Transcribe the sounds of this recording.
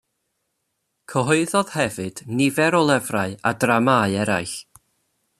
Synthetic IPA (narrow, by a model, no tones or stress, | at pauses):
kʰəɦɔɨðɔð̥hɛvɨdnɪvɛɾɔlˠɛvraɨa̰dramaɨɛɾa̰jɬ